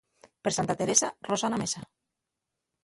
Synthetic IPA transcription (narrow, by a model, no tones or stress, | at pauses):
peɾsant̪at̪eɾesarosanamesa